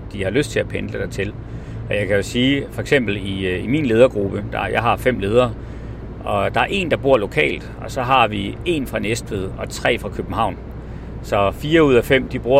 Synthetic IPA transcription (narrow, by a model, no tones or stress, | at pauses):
d̥ihɑ̈løsd̥t͡sʰe̝æpʰend̥ləd̥ɑt͡sʰe̝l | ʔɒ̽jɑ̈ɪkʰæjo̝siːfɒ̽eɡ̥sem̰b̥l̩iiminle̝ːðˠɐɡ̥ʁub̥əd̥ɑ̈jɑ̈ɪɦɑ̈fem̰le̝ːð̞ˠɐː | ɒ̽d̥ɑ̈æɐe̝̰nd̥ɑ̈b̥uɐ̰lo̝kʰɛ̰ːld̥ɒ̽sɒ̽ɦɑ̈ʋie̝̰nfʁɑ̈nesd̥ʋeð̞̰ˠɒ̽t͡sʰʁɛ̰ːfʁɑ̈kʰøb̥̩ɦɑ̈ʊ̰n | sɒ̽fiːɐuð̞̰ˠæfem̰d̥ib̥ʁuɐ